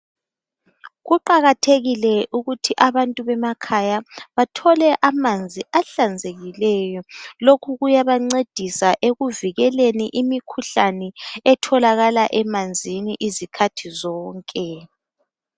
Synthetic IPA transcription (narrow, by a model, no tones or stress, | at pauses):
ɣuǃaɣatʰeɣilɛʔuɣutʰiʔaβantʼuβɛmakʰajaβatʰɔlɛʔamand͡zʱiaɬand͡zʱeɣilɛjɔlokʰuɣujaβaŋ͡ǀed̥ʱisaʔeɣuviɣɛleniʔimikʰuɬanɛɛtʰɔlaɣalaʔɛmand͡zʱiniʔizikʰatʰizɔːŋkʼɛ